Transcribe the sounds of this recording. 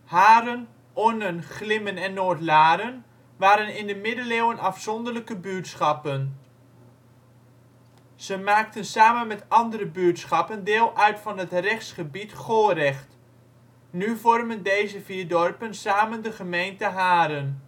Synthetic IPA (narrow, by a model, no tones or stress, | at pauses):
haːɾən | ʔɔnənχlɪmənɛnːoːtlaːɾən | ʋaːɾənɪndəmɪdəleːwənɑfsɔndələkəbytsχɑpən | z̥əmaːk̚tənsaːmənmɛtɑndəɾəbyətsχɑpəndɪːlˠʔœɥtfɑnɦətrɛχtsχəbitχolˠrɛχt | nyvɔrməndejzəviːɹdɔrpənsaːməndəχəmejntəɦaːɾən